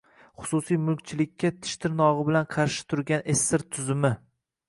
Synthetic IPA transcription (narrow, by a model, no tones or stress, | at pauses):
χʊ̥sʊsijmʊlkʲt͡ʃʰɪlɪkʲʰːat̪ʰɪ̥ʃt̪ʰɪɾnɒʁɨbɪlanqʰɑɾʃɪ̥t̪ʰʊɾɡʲanesːɪɾt̪ʰʊzɪmɪ